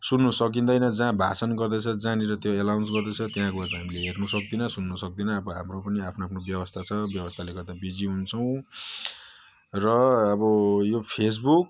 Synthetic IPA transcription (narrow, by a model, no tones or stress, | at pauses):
sunːusʌk̬ind̪ʌjnʌd͡zãbʱa̰sʌnɡʌrd̪ʌt͡sʰʌd͡zãneɾʌt̪joelawnsɡʌrd̪ʌt͡sʰʌt̪jɦãkoʌrt̪aɦamileɦernusʌk̚d̪inʌsunːʌsʌk̚d̪inʌːbʌɦa̰mropʌniapʰnoaːpʰnobjʌbʌst̪ʰat͡sʰʌbjʌbʌst̪ʰaleɡʌrd̪abid͡ziɦunt͡sʰʌw̃ | rʌːbʌjopʰes̬buk̚